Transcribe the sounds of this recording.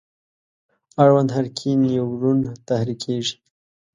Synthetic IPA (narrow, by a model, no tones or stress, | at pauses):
aɽwand̪ɦaɾkʰinjawɾunt̪ahɾikʰeʐi̥